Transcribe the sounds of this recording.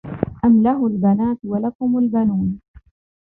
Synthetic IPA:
ʔamlaɦʊlbanaːt̪walakʊmʊlbanuːn

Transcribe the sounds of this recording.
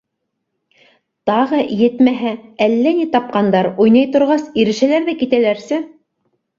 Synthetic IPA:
t̪ɑʁɤjɘ̆t̪mæɦæælːænit̪ɑp̚qɑnd̪ɑɾujnɑjt̪ŏɾʁɑsiɾɘ̆ʃælæɾðækit̪ælæɾsɘ

